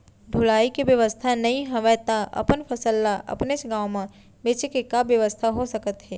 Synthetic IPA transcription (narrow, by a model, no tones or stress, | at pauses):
ɖʱʊlaːikibjɐʋəst̪ʰanɐɦĩɦɐʋət̪aʔɐ̰pənfʰɐsəlːaʔɐ̰pnesɡaːwmã | beːt͡ʃekekabjəʋəst̪ʰaɦosɐkət̪ɦɛː